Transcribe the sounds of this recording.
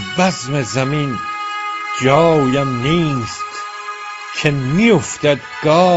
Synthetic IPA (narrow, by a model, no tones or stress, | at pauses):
bæzmezæmin | d͡ʒɒːjæmniːst̪ | cʰemijoft̪æd̪ɡ̥ɒː